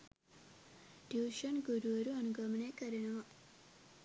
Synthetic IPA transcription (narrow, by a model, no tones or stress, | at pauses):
ɖjiwʃɐnɡuɾuʋɐɾuɐnuɡɐmɐnekɐɾenɐʋɐ